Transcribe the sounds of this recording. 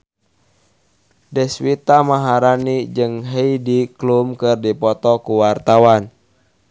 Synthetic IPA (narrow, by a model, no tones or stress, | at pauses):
dɛswit̪amaɦaɾanid͡ʒɨŋɦeidiklumkɨrdipɔt̪ɔkuwart̪awan